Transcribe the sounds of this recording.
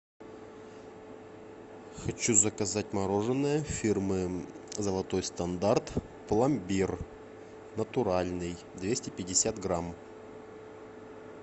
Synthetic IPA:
xɐt͡ɕuzəkɐzatʲmɐɾoʐɨnːəjəfʲirmɨ | zəlˠɐt̪o̞jst̪ɐnd̪art̪ | plˠɐmʲbʲir | nət̪ʊɾalʲnɨj | d̪vʲesʲtʲɪpʲɪdʲɪsʲat̪ɡɾam

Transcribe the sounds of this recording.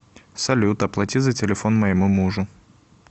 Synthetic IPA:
sɐlʲut̪əplˠɐtʲizətʲɪlʲɪfo̞nməjɪmumuʐʊ

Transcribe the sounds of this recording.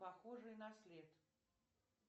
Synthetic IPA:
paxɔʐɨjnɐsʲlʲɛt̪

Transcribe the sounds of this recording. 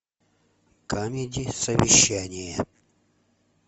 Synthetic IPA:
kamʲedʲɪsəvʲɪɕːænʲɪjə

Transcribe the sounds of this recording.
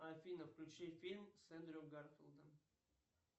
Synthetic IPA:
ɐfʲinəfklʲʉt͡ɕifʲilʲmsɛnd̪ɾʲoɡarfʲɪlˠd̪əm

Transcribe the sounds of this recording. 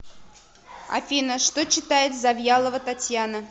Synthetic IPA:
ɐ̰fʲinəʂt̪ot͡ɕːɪt̪ajɪt̪zavʲjalˠəvət̪atʲjanə

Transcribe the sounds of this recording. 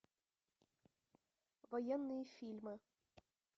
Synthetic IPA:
vojenːɨjəfʲilʲmɨ

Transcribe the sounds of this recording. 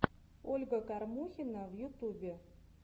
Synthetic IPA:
olʲɡə̆kɑrmuxʲinɑvjut̪ubʲe

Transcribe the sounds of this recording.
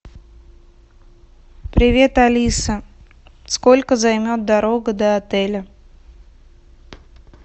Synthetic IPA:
pɾʲɪvʲe̞t̪ɐlʲisə | sko̞lʲkəzɐjmʲo̞t̪̚d̪ɐɾo̞ɡəd̪əɐt̪ɛlʲə

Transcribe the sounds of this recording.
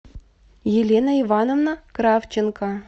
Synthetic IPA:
jelʲenɐivɑnovnakɾɑft͡ɕenkɑ

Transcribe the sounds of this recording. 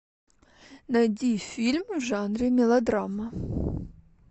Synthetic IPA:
nɐjdʲifʲilʲmvʐanɾʲɪmʲɪlˠɐd̪ɾamɐ

